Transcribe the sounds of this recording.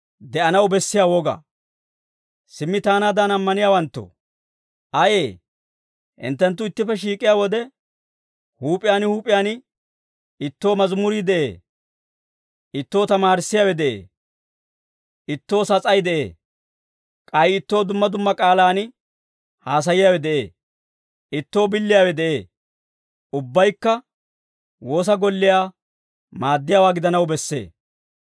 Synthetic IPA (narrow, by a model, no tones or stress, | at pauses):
d̪ɛʔɐnɐwbɛsːɪjaːwɔɡɐ̰ | sɪmːɪt̪aːnaːd̪anɐmːɐnɪjaːwɐnt̪ːo̰ | ʔɐjeː | ʔɪ̰nt̪ːɛnt̪̬ːʊɪt̪ːɪfɛʃ̬iːkʼːɪjaːwɔd̪ɛ | huːpʼɪjaːnɪhuːpʼɪjaːnɪ | ɪt̪ːo̞ːmɐzmʊɾid̪ɛʔḛː | ɪt̪ːo̞ːt̪ɐmaːɾɪsːɪjaːwɛd̪ɛʔḛː | ʔɪt̪ːo̞ːsɐt͡sʼɐjd̪ɛʔḛː | kʼɐjɪɪt̪ːo̞ːd̪ʊmːɐd̪ʊmːɐkʼaːlaːnɪ | haːs̬ɐjɪjaːwɛd̪ɛʔe̞̰ː | ɪt̪ːo̞ːbɪlːɪjaːwɛd̪ɛʔeː | ʊbːɐjkːɐ | wo̞ːs̬ɐɡɔlːɪjaː | maːd̪ːɪjaːwaːɡɪd̪ɐnɐwbɛsːḛː